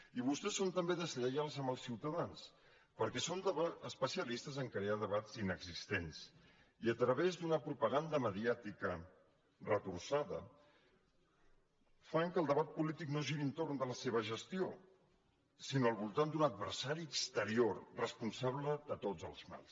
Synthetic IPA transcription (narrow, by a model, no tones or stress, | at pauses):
iβust̪ɛsːont̪əmbeðəzʎəjalˠzəmbəlˠsiwt̪əðans | pəɾkɛsond̪əβaəspəsiəlist̪əzəŋkɾeaðəβazinəɡzist̪ens | iət̪ɾəβezd̪unəpɾupəɣ̞and̪əməðiat̪ikə | rət̪uɾsaðə | faŋkəlˠd̪əβ̞at̪̚pulit̪iknoʒiɾiənt̪oɾnd̪ələseβ̞əʒəst̪io | sinoəlˠβulˠt̪and̪unəd̪̚βə̰ɾsaɾiəkst̪əɾiorrəspunsaβləðət̪od͡zəlˠzma̰lˠs